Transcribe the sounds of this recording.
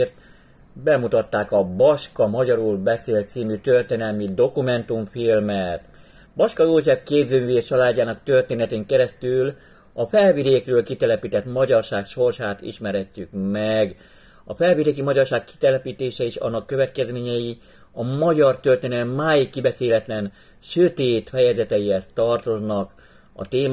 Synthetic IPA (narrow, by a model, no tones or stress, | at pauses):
rt̪ | bɛmut̪ɒt̪ːaːkɒbɒʃkɒmɒɟɒɾulbɛseːlt̪siːmyt̪ørt̪eːnɛlmid̪o̞kumɛnt̪uɱfilmɛt̪ | bɒʃkɒjoːlsɛbkeːbzøːmyːveːʃt͡ʃɒlaːɟːaːnɒkt̪ø̞rt̪eːnɛt̪eːŋkɛɾɛst̪yl | ɒfɛlvid̪eːkrøːlkit̪ɛlɛpiːt̪ɛt̪mɒɟɒrʃaːkʃo̞rʃaːt̪ḭʃmɛɾɛcːykmɛɡ | ɒ̰fɛlvid̪eːkimɒɟɒrʃaːkːi̥t̪ɛlɛpiːt̪eːʃɛiʃɒ̰nːɒkːøvɛt̪kɛzmeːɲɛji | ɒmɒɟɒrt̪ørt̪eːnɛlmːaːjikːibɛseːlɛt̪lɛn | ʃøt̪eːt̪fɛjɛzɛt̪ɛjiɛst̪ːɒrt̪o̞znɒk | ɒ̰t̪eːm